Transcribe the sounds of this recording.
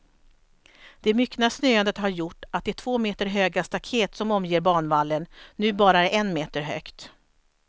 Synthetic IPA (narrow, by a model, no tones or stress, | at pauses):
d̪̥ɛmʏkːnasnøːand̪ət̪haɾjʊʈːat̪̚d̪ɛæʈʰv̥oːmeːt̪əɾɦøːɡast̪akʰeːt̪sɔmɔmjeːɾbɑːɳvalːənːʉ̟ːbɑːɾaɛʔɛnmeːt̪əɾɦøːkt̪